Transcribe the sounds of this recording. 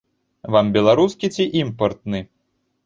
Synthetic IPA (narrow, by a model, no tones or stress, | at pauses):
vambʲɛlˠaɾuskʲit͡sʲiʔimpɐrt̪̚nɨ